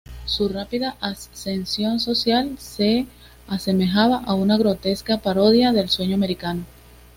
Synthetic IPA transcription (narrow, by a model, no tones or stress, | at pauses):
surapiðaʔasse̞nsjo̞nso̞sjalse̞ | ase̞me̞xaβaʔaunaɣɾo̞t̪e̞skapaɾo̞ðjaðe̞lswe̞ɲoame̞ɾikano̞